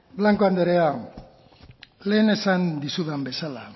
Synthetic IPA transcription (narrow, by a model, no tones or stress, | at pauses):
blaŋkoand̪eɾea | le̞ːne̞sand̪isuðambe̞sala